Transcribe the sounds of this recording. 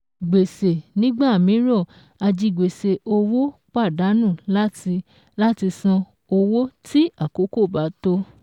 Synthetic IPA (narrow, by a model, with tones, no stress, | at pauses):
ɡ͡be˨se˨nĩ˦ɡ͡ba˦˨mĩ˨˦ɾɔ˦˨ | a˧d͡ʒi˧˨ɡ͡be˨se˨o˧wo˦k͡pa˦˨da˨˦nũ˦˨la˦˧ | la˦ti˧sã˧ | o˧wo˦ti˦a˦˨ko˨˦ko˦˨ba˨˦to˦